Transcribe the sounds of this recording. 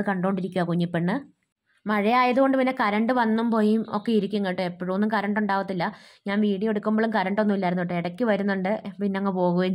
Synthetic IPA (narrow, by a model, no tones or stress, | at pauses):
ɨkɐɳɖo̞ːɳɖiɾikʲːuɣaːkuɲːipːeɳːɨ | mɐɻijaːjɐðuɣo̞ɳɖɨpinːekɐɾɐɳɖɨʋɐnːumpo̞ːjumo̞kːeiɾikʲːuŋɡɐʈːɨepːoɻumo̞nːumkɐɾɐɳɖuɳɖaːʋɐt̪ːilːɐɲaːnʋiːɽijo̞ɽukʲːumboɭumkɐɾɐɳɖʋonːumilːaːjɾunuoʈːeeɽɐkʲːɨʋɐɾunːuɳɖɨpinːeɐŋːɐpo̞ːɣuʋɐ